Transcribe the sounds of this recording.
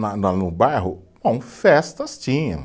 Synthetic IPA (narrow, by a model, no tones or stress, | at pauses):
nɐnɐnʊbajɦʊbɐ̃w̃fɛst̪ɐst͡ʃĩɲɐ̰̃